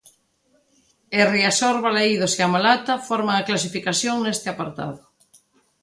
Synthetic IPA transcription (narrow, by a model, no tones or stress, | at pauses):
eriasoɾβalaiðoseamalat̪afɔɾmaːklas̬ifikaθjoŋnest̪ɪapaɾt̪a̰ðʊ